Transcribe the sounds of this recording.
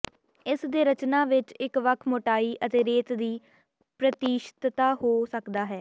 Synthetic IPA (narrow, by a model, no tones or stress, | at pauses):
ɪsd̪eːɾət͡ʃnaːʋɪt͡ʃɪkʋəkʰmoːʈaːiːʔət̪eːɾeːt̪d̪iː | pɾət̪iːʃt̪t̪aːhoːsəkd̪aːɦɛː